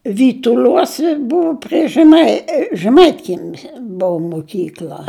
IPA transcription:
ʋʲiːtʊˈlʲuɔsʲɛ ˈbʊʋoː pʲrʲɪ ʒʲɛˈmɐɪ ʒʲɛˈmɐɪtʲkʲiɛmʲɪs ˈbʊʊ mʊˈkʲiːklʲɐ

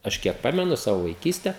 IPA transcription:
ˈɐʃ kʲiɛk ˈpɑːmʲɛnʊ ˈsɑːʋoː ʋɐɪˈkʲiːsʲtʲɛ

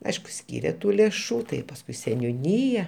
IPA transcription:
ˈɐɪʃkʊ ˈsʲkʲiːrʲeː ˈtuː lʲeːˈʃuː tɐɪ pɐsˈkʊɪ sʲɛnʲʊˈnʲiːjɛ

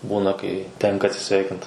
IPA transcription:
ˈbuːnɐ kɐɪ ˈtʲɛŋkɐ ɐtʲsʲɪˈsʲʋʲɛɪkʲɪnt

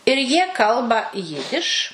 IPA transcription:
ɪr jiɛ ˈkɐlˠbɐ ˈjɪdʲɪʃ

